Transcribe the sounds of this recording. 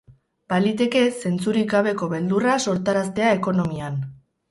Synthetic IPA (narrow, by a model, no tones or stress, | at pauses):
balit̪e̞ke̞se̞nt͡suɾiɣaβ̞e̞ko̞βe̞ld̪uraso̞ɾt̪aɾast̪e̞ae̞ko̞no̞mian